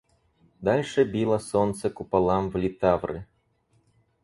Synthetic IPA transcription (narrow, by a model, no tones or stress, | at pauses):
d̪alʲʂɛbʲilˠɐsɔnt̪sɐkupalˠamvlʲit̪avɾɨ̰